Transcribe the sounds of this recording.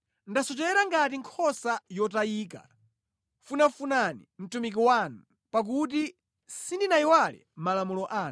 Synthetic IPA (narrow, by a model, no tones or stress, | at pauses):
ndasɔt͡ʃɛlɛɾaŋɡat̬iŋkʰɔsajɔtaiːka̰ | funafunanḭm̩tumik̬iwanu | pak̬ut̬i | sindinaiwalɛ̰malamulɔʔaːn